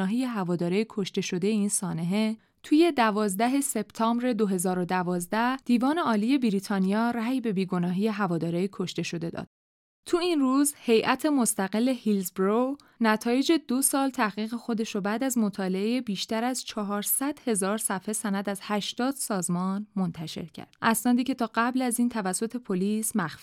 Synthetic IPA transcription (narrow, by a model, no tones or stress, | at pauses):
ɒːɦiːje̞ɦævɒːd̪ɒːɾejikʰo̞ʃt̪e̞ʃo̞d̪e̞jeiːnsɒːne̞ɦe | t̪ʰuːje̞d̪ævɒːzd̪æɦe̞se̞b̥t̪ʰɒːmbɾe̞d̪o̞ɦe̞zɒːɾo̞d̪ævɒːzd̪æhd̪̥iːvɒːne̞ɒːliːje̞biɾiːt̪ʰɒːnijɒːɾæjbe̞biːɡo̞nɒːɦije̞ɦævɒːd̪ɒːɾeikʰo̞ʃt̪e̞ʃo̞d̪e̞d̪ɒ̰ːd̪̥ | t̪ʰuinruːzhe̞jʔæt̪ʰe̞mo̞st̪æɣe̞lːe̞hilzbɾo | næt̪ʰɒːje̞d͡ʒe̞d̪osɒːlt̪ʰæhɣiːɣexo̞d̪e̞ʃɾobæːd̪æzmo̞t̪ʰɒːle̞ejebiːʃt̪æɾæzt͡ʃʰɒɦɒːɾsæd̪̥he̞zɒːɾsæfhe̞sænæd̪æzhæʃt̪ɒːd̪̥sɒːzmɒːnmo̞nt̪ʰæʃe̞̰ɾcʰæ̰ɾd̪̥ʔæsnɒːd̪iːcʰe̞t̪ʰɒːɢæblæziːnt̪ʰævæsːo̞t̪ʰe̞pʰoliːsmæxfi̥